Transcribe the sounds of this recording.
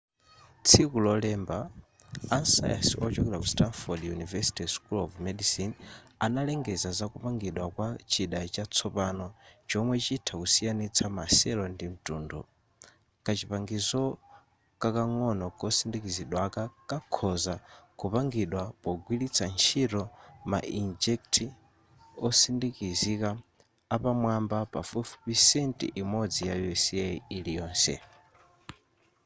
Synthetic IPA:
t͡sʰikulɔlɛmbaː | nsa̰ja̰siʔɔt͡ʃɔkɛlakustanfɔdjunivɛsi̥tiskulɔvmɛdisin | analɛŋɡɛzazakupaŋɡiɗwakwat͡ʃiɗat͡ʃat͡sʰɔpanɔt͡ʃɔmwɛt͡ʃitʰakusijanit͡sʰamasɛlɔndim̩tuːndɔ | kat͡ʃipaŋɡizɔ | kakaŋɔnɔkɔsindikiziɗwakakakʰɔzakupaŋɡiɗwapɔɡwilit͡sʰant͡ʃʰiɾɔma̰ʔind͡ʒɛk̚tʰi | ɔsindikizikaː | pamwambapafufupisɛntḭʔimɔd͡zijajɔsiɛilijɔːnsɛ̰

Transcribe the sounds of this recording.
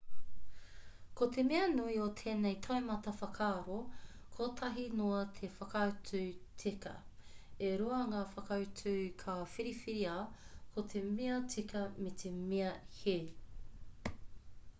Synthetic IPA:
kot̪ʰemeɐnuiot̪ʰeːnejt̪ʰɐemɐtɐfɐkʰaːɾo | kʰoːt̪ʰɐɦinoɐt̪ʰefɐkɐwt͡sʰʉːt͡sikɐ̰eɾuɐŋaːfɐkɐwt͡sʉːkʰafiɾifiɾiaːkʰot̪ʰemeɐt͡sikɐmet̪ʰemeɐhe

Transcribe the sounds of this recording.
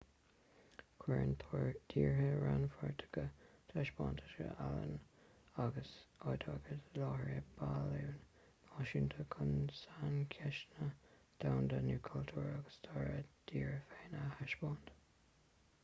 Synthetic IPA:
kʰwɛɹənt̪ʰoːɹd̪̥iːɹhəɹanfɔɹtʰə̥ɡət̪ʰaʃbɑːntʰə̥tə̰ʔalə̰naɡəsojdʰɑɡətlɑːhɹiəb̥aluwn | mɑʃɪnt̪ʰəkʰʊnsankʰɛʃnə | d̪̥awnd̪ənuːkʰalt̪ʰuːɹaɡəst̪ʰɑɹəd̥iːɹəfeːnahaʃb̥ɑːnt

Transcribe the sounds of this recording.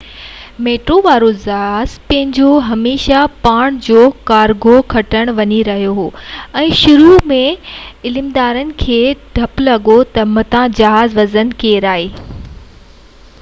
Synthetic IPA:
meːʈɾoʋaːɾozɐɦaːz̥pɐ̃ɦɪ̃ɲd͡ʑoɦɐmeːʃapaːɽ̃d͡ʑoːkaːɾɡʱokʰɐʈəɽ̃ʋɐɲiɾɐɦijoɦoːɛ̃ːʃʊɾumẽɪlɪmd̪aːɾənɪ̆kʰeːɖʱɐplɐɠot̪ɐmɐt̪ãd͡ʑɐɦaːzʋɐzən̆keːɾaːɦeː

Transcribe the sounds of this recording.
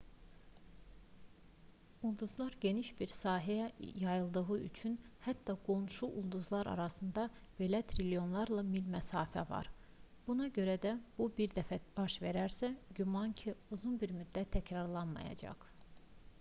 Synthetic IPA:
ulˠd̪uzlˠɑɾɟe̞niʃbiɾsɑːɦæjæjɑjɯlˠd̪ɯɣɯy̰t͡ʃʰynhæt̪ːɑɡo̞nʃuʔulˠd̪uzlˠɑɾɑ̰ɾɑsɯnd̪ɑv̥e̞læt̪ʰɾilʲijo̞nlˠɑɾlˠɑmilmæsɑːfæ̰vɑ̰ɾ | b̥unɑɟø̞ɾæd̪æb̥ubiɾd̪æfæb̥ɑʃve̞ɾæɾsæɟymɑncʰiuzunbiɾmyd̪ːæt̪ʰːæcɾɑɾlˠɑnmɑ̰jɑ̰d͡ʒɑ̰χ

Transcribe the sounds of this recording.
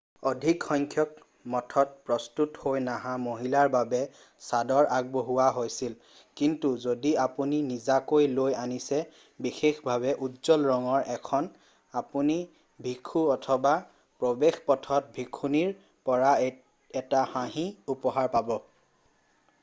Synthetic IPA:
odʱikxɔŋkʰjɔk̚ | mɔtʰɔt̚pɹɔstuthojnaɦãmoɦilaɹbabɛ | sadɔɹʔaɡ̚boɦuwaɦojsil | kintuzodiapuninizakojlojanisɛ | bixexbʱaβɛʔutzɔlɹɔŋɔɹʔɛkʰɔn | apuni | bʱikʰuɔtʰɔba | pɹobexpɔtʰɔt̚bʱikʰuniɹ | pɔɹa | ɛtahãɦĩupɔɦaɹpabɔ

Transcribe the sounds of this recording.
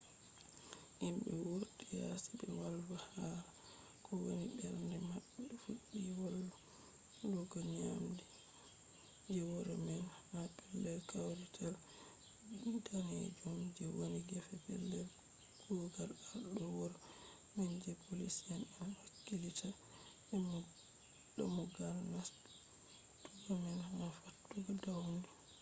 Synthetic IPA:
ʔimɓɛwuɗija̰sibɛwalwahaɾa | kʰɔwonibɛɾndɛmaɓːɛɛfuɗːiwolːɔ | lɔɡɔɲamdɛ | d͡ʒɛwɔɾɔmɛnmabɛlːɛlkʰawɾitʰal | tanḛd͡ʒumd͡ʒɛwoniɡɛfɛpɛ̰lːɛl | ɡ̥uɡalaɗɔwɔɾɔ | mɛnd͡ʒɛpʰolisɛnɛnhakːilitʰa | ɛm | ɗɔmɔɡaɾnas | tuɡɔmɛnhafatːuɡɔdawndu

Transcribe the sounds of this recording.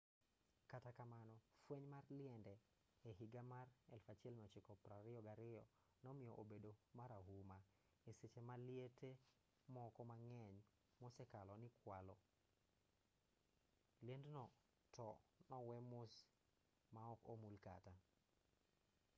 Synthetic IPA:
katakamanɔfweɲmarlɪɛndɛː | ɦiɡamarɛ̰lfat͡ʃɪɛlmɔt͡ʃikɔpɾaɾɪɔɡaɾɪɔ | nɔmɪjɔʔobedomaɾaɦuma | eset͡ʃemaliete | mɔkɔmaŋɛɲ | mʊsɛkalɔnɪkwalɔ | ljendnɔ | tɔnɔwɛmʊs | maɔkomulka̰ta

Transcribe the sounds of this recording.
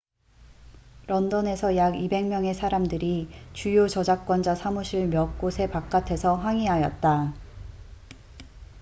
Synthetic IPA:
ɾʌndʌne̞sʰʌjaɡibe̞ŋmjʌŋe̞sʰaɾamdɯɾit͡ɕujot͡ɕʌd͡ʑak̚k͈wʌnd͡ʑasʰamuɕʰiɭmjʌk̚k͈osʰe̞pak̚k͈atʰe̞sʰʌɸwaŋiɦajʌt̚t͈a

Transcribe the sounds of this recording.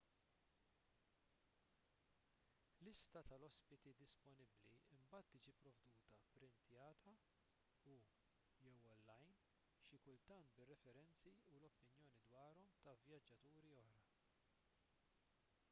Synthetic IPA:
lɪst̪ɐt̪ɐlɔspɪt̪id̪ɪspɔnɪbliɪmbɐːt̪ːiːd͡ʒipɾɔvd̪uːt̪ɐpɾɪnt̪jɐːt̪ʰɐ | u | jɛwɔlːɐjn | ʃɪkʊlt̪ɐnt̪bɪrːɛfɛɾɛnt͡siulɔpːɪnjɔːnid̪wɐːɾɔmt̪ɐvjɐd͡ʒːɐt̪uːɾiɔhɾɐ

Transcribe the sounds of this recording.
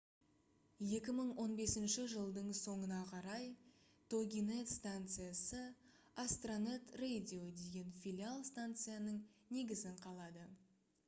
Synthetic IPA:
je̞kʲɪməɴwo̞nbe̞sɪnʃɪʒəlˠd̪əɴso̞ɴənɑqʰɑɾɑj | t̪ʰo̞ɡʲinet̪st̪ant̪sɨjasə | ast̪ronet̪rejdʲio̞d̪e̞ɡʲe̞nfʲilʲialˠst̪ant̪sɨjanəɴne̞ɡʲɪzɪɴqʰɑlˠɑd̪ə

